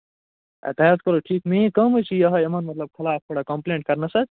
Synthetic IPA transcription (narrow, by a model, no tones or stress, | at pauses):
t̪ajad̪kəɾoʈʰikmeɦĩkəmɦojt͡ʃʰijəɦəɐmənmət̪ləb̚kʰɪlap̚ʰtʰoɽakə̃mpleɳʈ̚kɐɾnəsət̪